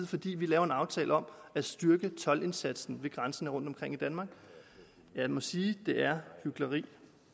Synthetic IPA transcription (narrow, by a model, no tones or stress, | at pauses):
ð̩ˠfɒ̽d̥ḭːʋilɛːʊɐe̝nɑ̈ʊt͡sʰɛ̰ːlʔəɒ̽mæsd̥yɐɡ̥ət͡sʰɒ̽le̝nsæd̥sn̩ʋe̝ɡ̥ʁɑnsənəʁɔ̽n̰d̥ɒ̽mkʰʁeŋ̰id̥ænmɑ̈ːɡ̥ | jæmɒ̽siːd̥e̝ʔæɐhyɡ̥lɐʁḭː